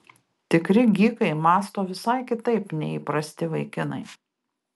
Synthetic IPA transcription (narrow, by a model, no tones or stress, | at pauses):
t̪ʲɪkɾʲɪɡʲiːkɐɪmɑːst̪oːʋʲɪsɐɪkʲɪt̪ɐɪpnʲɛiːˑpɾɐsʲt̪ʲɪʋɐɪkʲɪnɐ̰ɪ